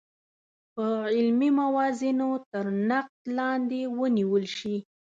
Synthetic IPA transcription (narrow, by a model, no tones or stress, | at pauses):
pəɪlmimawɑzinot̪əɾnaq̚t̪lɑnd̪ewəniwəlʃi